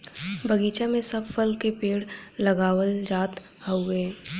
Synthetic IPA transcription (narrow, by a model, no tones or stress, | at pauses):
bəɡiːt͡ʃamẽsɐbfəlkepeːɽlɐɡaːwəld͡ʒaːt̪ | həʊeː